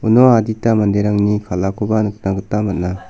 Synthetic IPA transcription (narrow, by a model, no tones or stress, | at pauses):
unɔaditamandeɾaŋnikʰalakʰubanɯk̚naɡɯtamat̚na